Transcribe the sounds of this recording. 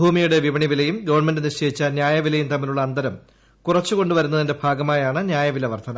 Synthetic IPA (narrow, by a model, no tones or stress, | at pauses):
bʱuːmijuɽeʋiʋɐɳiʋilɐjumɡɐʋɐɳme̞ndɨniɕejit͡ɕːaːnjaːjɐʋilɐjumt̪ɐmːiluɭːɐːnd̪ɐɾɐm | kurɐt͡ɕːuko̞ɳɖuʋɐɾun̪ːɐðindebʱaːɡɐmaːjaːɳɨnjaːjɐʋilɐʋɐrt̪ʰɐnɐ